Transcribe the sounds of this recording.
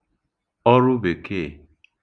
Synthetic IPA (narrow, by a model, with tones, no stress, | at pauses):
ɔ˦ɾʊ˦be˨ke˦˨